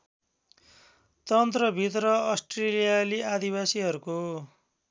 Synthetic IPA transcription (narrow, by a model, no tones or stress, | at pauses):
t̪ʌnt̪rʌbʱit̪rʌʌsʈrelijaliad̪ibasiɦʌɾuko